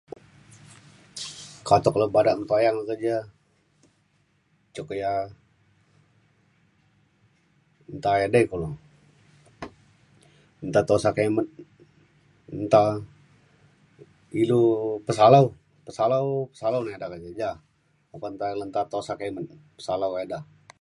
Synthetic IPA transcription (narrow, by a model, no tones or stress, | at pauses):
kat̪ɔkləbadaʔnt̪ajaŋakərd͡ʒa | t͡ʃokəja | nt̪ajadakulo | ənt̪at̪osakemət̪̚ | nt̪a | ilupəsalau | pəsalaupə̥salawnaedakəd͡ʒad͡ʒa | apant̪alənt̪at̪osakemət̪̚ | pə̥salaweda